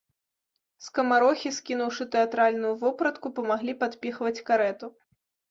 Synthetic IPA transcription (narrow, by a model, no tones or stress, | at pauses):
skɐmaɾɔxʲiskʲinuwʂɨt̪ɛat̪ɾalʲnujuvɔpɾɐt̪kupɐmaɣlʲipat̪pʲixvɐt͡sʲkaɾɛt̪u